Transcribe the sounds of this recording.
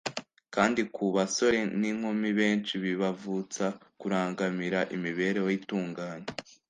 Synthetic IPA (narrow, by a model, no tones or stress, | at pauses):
kaːndikʰuβaso̞ɾe̞niŋ̥homiβe̞ːnt͡ʃiβiβavut͡sakuɾaːŋɡamiɾaʔimiβe̞ɾewoituːŋɡaːɲe